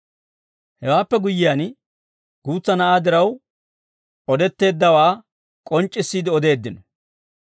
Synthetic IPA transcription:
hɛwaːpːɛɡʊjːɪjaːn | ɡ̥uːt͡sːɐnɐʔaːd̪ɪɾɐw | ɔd̪ɛt̪ːe̞ːd̪ːɐwaː | kʼɔnt͡ʃʼːɪsːiːd̪ɪɔd̪e̞ːd̪ːɪnɔ

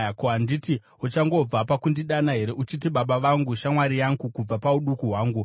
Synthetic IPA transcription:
koanditi | ut͡ʃaŋɡo̞b͡vapakundiɗanaɦe̞ɾe̞ʔut͡ʃit̬iɓaɓaʋaŋɡuʃamwaɾijaŋɡukub͡vapauɗukuɦwaːŋɡu

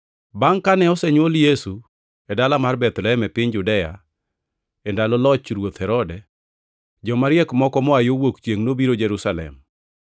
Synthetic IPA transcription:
baŋkanɛɔsɛɲwoljesu | ɛdalamarbɛt̪lɛɛmɛpɪɲd͡ʒʊdɛja̰ | ɛndalɔlɔt͡ʃɾwot̪hɛɾɔdɛ | d͡ʒɔmaɾɪɛkmɔkɔmɔajowokt͡ʃjeŋnobiɾod͡ʒɛɾusalɛ̰m

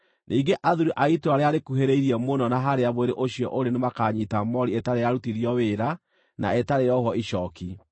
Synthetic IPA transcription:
nʔiːɡeʔaðuɾuʔaitoaɾeaɾekuɦeɾeiɾiɛmonɔnaɦaɾeaβweɾeʔoɕiɔʔoɾenemakaɲitamɔɾietaɾejaɾutiðjɔweɾa | na̰etaɾejɔɦɔiʃɔki

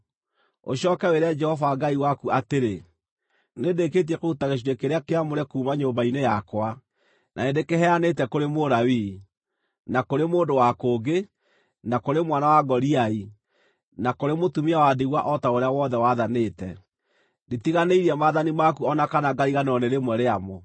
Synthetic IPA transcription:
o̰ɕɔːkɛweɾad͡ʒɛhɔvaɡaiwakuateɾe | nedeket̬iɛkoutaɣeʃ̬iɾekeɾeakeamoɾɛkuːmaɲoːmbainejakwa | nʔa̰endekeɦɛanetɛkoɾemoɾawi | nakoɾemoːndowakoːɡe | nakoɾemwanawaɡɔɾiai | nakoɾemotumiawadiɣwaʔɔtaoɾeawɔðɛwaðaneːtɛ | ndetiɣaneiɾɛmaðanimakuɔnakanaɡaɾiɣanɔneɾemwɛɾeamo

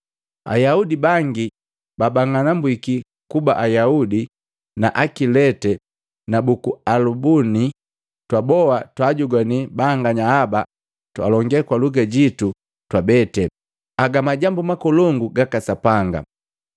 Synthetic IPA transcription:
a̰jaudibaŋɡi | babaŋanambwiki | kubaʔajaudi | na̰ʔakilɛtɛ | nabukualubuni | twabɔwatwaɟuɡwanibaŋɡaɲahaba | twalɔŋɡɛkwaluɡɛɟitu | twabɛtɛ | aɡamaɟambumakɔlɔŋɡuɡakasapaŋɡa̰

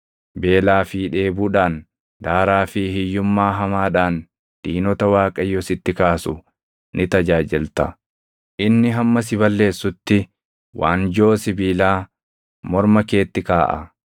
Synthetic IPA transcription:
be̞ːlaːfiːᶑeːbuːᶑaːn | d̪aːɾaːfɪhɪjːʊmːaːɦɐmaːᶑaːn | d̪̥iːnɔt̪ɐwaːkʼɐjːɔsɪt̪ːɪkaːsʊ | nʔɪt̪ɐd͡ʒaːd͡ʒɪlt̪ɐ | ʔɪnːɪɦɐmːɐs̬ɪbɐlːe̞ːsːʊt̪ːɪ | wa̰ːnd͡ʒo̞ːsɪbiːlaː | mɔɾmɐke̞ːt̪ːɪkaːʔɐ̰

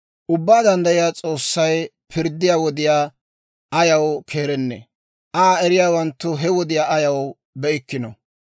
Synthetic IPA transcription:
ʔʊbːaːd̪ɐnd̪ɐjɪjaːt͡sʼo̞ːsːɐj | pʰɪɾd̪ːɪjaːwɔd̪ɪjaː | ʔɐjɐwkʰe̞ːɾɛnːɛ̰ | ʔaːɛɾɪjaːwɐnt̪ːʊɦɛwɔd̪ɪjaːɐjɐw | bɛʔɪkːɪnɔ̰

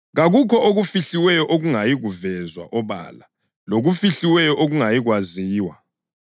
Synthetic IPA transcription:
ɣaɣukʰɔʔoɣufiɬiwɛjɔʔoɣuŋajiɣuvɛzwa̰ʔɔβa̰la | loɣufiɬiwɛjɔʔoɣuŋajiɣwaziːwa̰

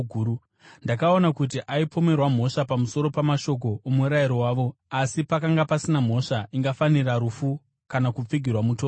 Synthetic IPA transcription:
u | ndakao̞nakut̬iʔaipʰo̞me̞rwam̤o̞ʂapamuso̞ɾo̞pamaʃo̞k̬o̞umuɾaiɾo̞waːʋo̞asipakaŋɡapasinam̤o̞ʂaiŋɡafaniraɾufu | kanakup͡fiɡʱirwamutoː

